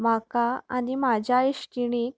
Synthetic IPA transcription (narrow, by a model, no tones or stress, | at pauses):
m̤akaa̰nimad͡ʑʱjaiɕkiɽ̃iːk